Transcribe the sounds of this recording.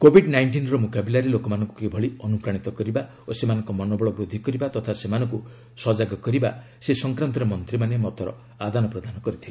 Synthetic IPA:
kobʱiɖnajɳʈinɾɔmokabilaɾilokɔmanɔŋkukebʱɔɭiɔnupɾaɽ̃it̪ɔkɔɾiba | osemanɔ̃ŋkɔmɔnɔbɔɭɔbɾod̪ʱikɔɾibat̪ɔt̪ʰasemanɔ̃ŋku | sɔd͡ʒaɡɔkɔɾiba | sesɔŋkɾant̪ɔɾemɔnt̪ɾimanemɔt̪ɔɾɔ̰ | ad̪anɔpɾɔd̪ʱanɔkɔɾit̪ʰile

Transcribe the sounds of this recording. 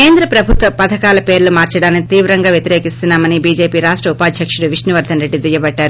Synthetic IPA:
keːnd̪ɾɐpɾɐbʱut̪ʋɐpɐt̪ʰɐkaːlɐpe̞ːɾlumaːɾt͡ʃɐɽaːnkit̪iːʋɾɐŋɡaːʋjɐt̪iɾeːkist̪unːaːmɐnibiːd͡ʒeːpiːɾaːʂʈɾɐupaːd̪ʱjɐkʂuɽuʋiʂnɐʋɐɾd̪ʱɐnɾe̞ɖːid̪ujɐbɐɖːaːɾu

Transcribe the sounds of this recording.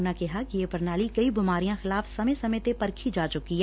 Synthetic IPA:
nakɪɦakijepɐɾnaːlikɐibɪmaːɾijãxɪlaːfsɐmesɐmẽt̪epɐɾkʰid͡ʒaːt͡ʃʊkiɦɛ

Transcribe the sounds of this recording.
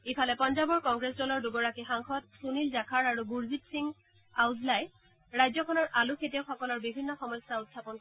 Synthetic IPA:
ipʰalɛpɔnzabɔɹkɔŋɡɹesdɔlɔɹduɡɔɹakixaŋxɔtsunilzakʰaɹaɹubuɹzitsiŋ | awzlaj | ɹajzɔkʰɔnɔɹʔalukʰetiaʊxɔkɔlɔɹbibʱinːɔxɔmɔjsautʰːapɔnkɔ

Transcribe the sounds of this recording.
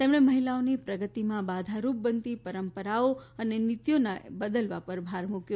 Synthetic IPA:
t̪emɳeməɦilaonipɾəɡət̪imãbad̪ʱaɾup̚bənt̪ipəɾəmpəɾaoənenɪt̪jonabəd̪əlʋapəɾbʱaɾmukjo

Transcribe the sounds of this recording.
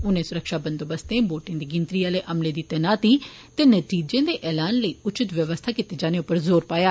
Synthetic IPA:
ʊnẽːsʊɾəkʃaːbənd̪oːbəst̪ẽːboːʈɪ̃d̪iːɡɪnt̪ɾiːaːleːʔəmleːd̪iːt̪ɛnaːt̪iː | t̪eːnət̪iːd͡ʒẽːd̪eːʔɛːlaːnləiːʊt͡ʃɪt̪ʋjəʋəst̪ʰaːkit̪eːd͡ʒaːneːʊpːəɾzoːɾpaːjaː

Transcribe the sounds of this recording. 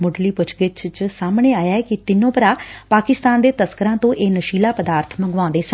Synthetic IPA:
mʊɖliːpʊt͡ʃʰɡɪt͡ʃt͡ʃsaːmɳeːaːjaːɛːkɪt̪ɪnõːpəɾaːpaːkɪst̪aːnd̪eːt̪əskəɾãːt̪õːʔeːnəʃiːlaːpəd̪aːɾt̪ʰmə̃ŋɡʋãːnd̪eːsə̃

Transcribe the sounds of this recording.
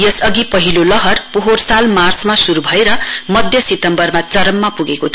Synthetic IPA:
jʌsʌɡipʌɦilolʌɦʌrpoɦorsalmarsmasuɾubʱʌeɾʌmʌd̪ʱjʌsit̪ʌmbʌrmat͡sʌɾʌmːapuɡekot̪ʰ

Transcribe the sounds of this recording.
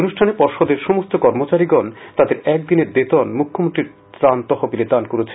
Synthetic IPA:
onuʃʈʰanepɔɾʃod̪eɾʃɔmost̪okɔɾmot͡ɕaɾiɡɔnt̪ad̪eɾɛk̚d̪ineɾd̪et̪ɔnmukʰːomont̪ɾiɾ | t̪ɾant̪ɔɦobiled̪ankoɾet͡ɕʰe̥

